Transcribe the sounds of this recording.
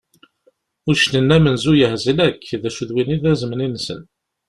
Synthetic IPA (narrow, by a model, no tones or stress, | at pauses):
ʊɾʃnənːæmənzujəhzilækːðæʃuðwiniðæzməninsə̰n